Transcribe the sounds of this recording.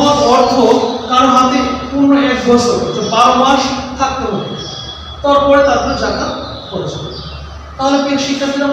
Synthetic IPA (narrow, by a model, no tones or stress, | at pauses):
ɔt̪ɔɾt̪ʰokaɾoɦat̪epuɾnoeɡbʱost̪od͡ʑebaɾomaʃt̪ʰak̚t̪eɦoe | t̪ɔɾpɔɾet̪ad̪eɾod͡ʑaka | koɾet͡ɕʰe | t̪aɦolepinʃikʰːat̪iɾa